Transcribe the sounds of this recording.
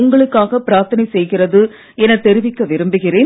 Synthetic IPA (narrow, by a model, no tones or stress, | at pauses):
ʊŋɡɐɭɯkːaːɣɐpɪɾaːɾt̪ɐnɐɪsɛjɣɪrɐðɯ | ɛnɐt̪ːɛɾɪʋɪkːɐʋɪɾɯmbɯɣɪreː